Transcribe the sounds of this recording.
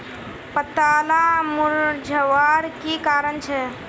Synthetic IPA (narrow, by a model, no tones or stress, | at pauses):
pət̪aːlamʊɾd͡ʒʱəʋaːɾkikaːɾənt͡ʃʰɛ